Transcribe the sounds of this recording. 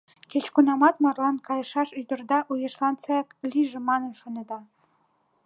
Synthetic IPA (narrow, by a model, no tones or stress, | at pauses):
ket͡ɕkunɑmɑt̪mɑrlɑnkɑjɤʃɑʃyd̪ə̆rd̪ɑʔujɤʃlɑnt͡sɑɑkliʒĕmɑnənʃoned̪ɑ